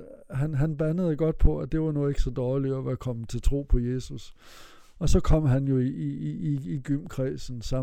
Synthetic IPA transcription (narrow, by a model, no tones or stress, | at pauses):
ɦænɦænb̥ænəð̩ˠɡ̥ɒ̽d̥̚pʰɒ̽æd̥e̝ʋɑ̈nɔːð̩ˠe̝ɡ̥sɒ̽d̥ɒːliɒʋæɐkʰɒ̽mət͡sʰe̝lt͡sʰʁo̝̰ːpʰɒ̽je̝ːsus | ɒ̽sɒ̽kʰɒ̽m̰ɦænjo̝iiː | ɡ̥ym̰kʰʁɛːsn̩sɑ̈